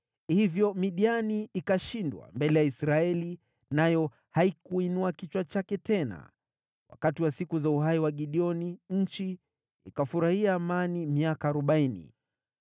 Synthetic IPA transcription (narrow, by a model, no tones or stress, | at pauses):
hivjɔmiɗianiːkaʃindwa̰mbɛlɛjaisɾaɛli | najɔ | haikuinuakit͡ʃwat͡ʃakɛtɛna̰ | wa̰katiwasikuzauhaiwaɠiɗiɔniɲ̩t͡ʃḭː | kafuɾahiaːmanimiakaːɾɔɓainḭ